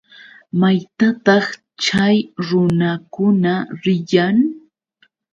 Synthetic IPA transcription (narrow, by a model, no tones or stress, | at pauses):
majt̪at̪ɑχ | t͡ʃajɾʊnakʊnaɾɪjaŋ